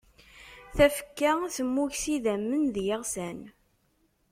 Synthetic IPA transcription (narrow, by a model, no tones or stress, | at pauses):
θæfə̥kːaθəmːuçsiðæmːənðjəʁsæn